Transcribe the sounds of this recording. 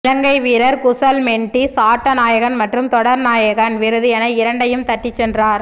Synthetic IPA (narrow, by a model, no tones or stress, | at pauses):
lɐŋɡɐɪʋiːɾɐɾkʊsɐlmɛɳʈisaːʈːɐnaːjɐɣɐnmɐʈrɯmt̪ɔɽɐɾnaːjɐɣɐnʋɪɾɯðɪjɐnɐɪɾɐɳɖɐjɯmt̪ɐʈːɪt͡ʃːɛndraːɾ